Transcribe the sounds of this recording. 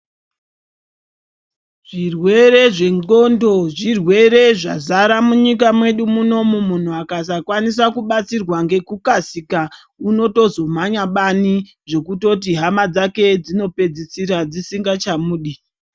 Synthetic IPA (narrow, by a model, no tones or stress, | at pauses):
ʐ̥irwe̞ɾe̞ʐe̞ŋɡondo̞ʐirwe̞ɾe̞ʐa̰zaɾamuɲik̬amwe̞ɗumuno̞mumun̤uakas̬akwanis̬akuɓat͡sirwaŋɡe̞kukasika | uno̞to̞zo̞m̤aɲaɓani | ʐo̞kuto̞t̬iɦamad͡zake̞d͡zino̞pe̞d͡zisiɾad͡zisiŋɡat͡ʃamuːɗi